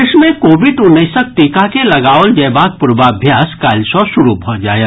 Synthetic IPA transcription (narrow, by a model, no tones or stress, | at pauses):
ɪʃmẽkoːʋɪɖʊnːəsək̚ʈ̪iːkakelɐɡaːʋəld͡ʒɐjbaːk̚pʊɾbaɐbʱjaːskaːlsɔʃʊɾubʱɔd͡ʒaːje